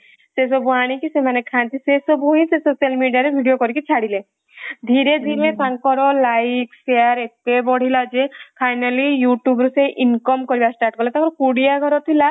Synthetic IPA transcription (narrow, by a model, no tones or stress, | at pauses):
ses̬ɔbuaɽ̃ĩkisemanekʰãnt̪isesɔbuɦĩsesosalmiɖijaɾebʱiɖijokɔɾikit͡ʃʰaɽile | d̪ʱiɾed̪ʱiɾmepaŋkɔɾɔlajkseaɾet̪ebɔɽ̤ilad͡ʒepʰajnalijuʈjubɾuseʔinkɔmkɔɾibasʈaɾʈ̚kɔɾlat̪aŋkɔɾkuɽiaɡʱɔɾɔt̪ʰila